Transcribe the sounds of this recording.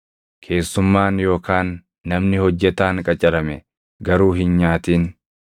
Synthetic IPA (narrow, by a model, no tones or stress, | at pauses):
kʰe̞ːsːʊmːaːnjo̞ːkaːnː | ɐmnɪhɔd͡ʒːɛt̪aːŋkʼɐt͡ʃʼɐɾɐmɛ | ɡɐɾuːɦɪnɲaːt̪iːn